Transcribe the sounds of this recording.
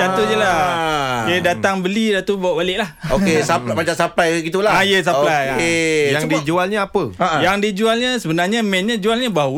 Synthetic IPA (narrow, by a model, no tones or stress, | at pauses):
d͡ʒat̪ujəla | dədat̪aŋbəlidat̪ubawaʔbalɪʔlahokesappat͡ʃaʔsapajɡit̪ulaajəs̬aplajakejaŋdid͡ʒualɲəapəjaŋdid͡ʒualɲəsəbənarɲamɛnɲad͡ʒualɲabaɦ